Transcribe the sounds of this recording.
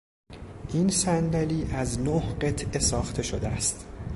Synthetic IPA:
ʔiːnsænd̪æliːʔæznoːhɢe̞t̪ʰʔe̞sɒːxt̪ʰe̞ʃod̪eæst̪

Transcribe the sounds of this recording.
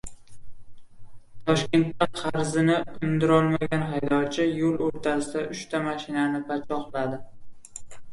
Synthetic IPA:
t̪ʰɒʃkʲe̞nt̪paɾt̪χɑɾzɪnɪʊmd̪ɪɾɒlˠmaɡʲanɦajd̪ɒt͡ʃʰɪjolˠoɾt̪ʰasɪd̪aʔʊʃt̪ʰamaʃɪnanɪpʰat͡ʃʰɒχlad̪ɪ

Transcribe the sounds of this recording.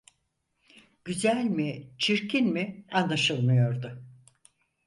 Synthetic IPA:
ɟ̥yzælʲmit͡ʃʰiɾcʰinmianlˠaʃɯlˠmɯjo̞ɾd̪ʊ

